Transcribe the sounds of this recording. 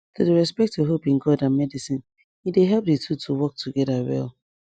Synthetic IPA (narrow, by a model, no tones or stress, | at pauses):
tudeɹɛspɛk̚tʰuɦopɪ̃ŋɡɔdãnmɛdisĩn | ideɦɛp̚ditʰutʰuwɔk̚tʰuɡɛdawɛ̰l